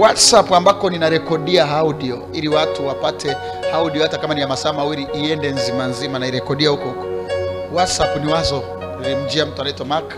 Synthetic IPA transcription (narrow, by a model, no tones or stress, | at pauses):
watsapuambakɔninaɾɛkɔɗiaɦauɗiɔ | iɾiwatuwapatʰɛ | auɗiɔhatakamaniamasaːmawiɾiʔːɛndɛnzimanzimanaiɾɛkɔɗiahukɔhukɔ̥ | watsapniwazɔ | ilim̩d͡ʒiam̩tuanaitɔmakḁ